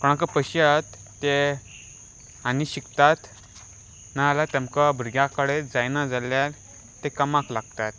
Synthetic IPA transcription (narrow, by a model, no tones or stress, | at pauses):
kəɽ̃ãkəpəɕjat̪ː | e | aniɕikt̪at̪ | nalat̪ɛ̃mkabʱəɾɡjakəɽed͡zajnad͡zaljal | t̪ekəmaklaɡ̚t̪at̪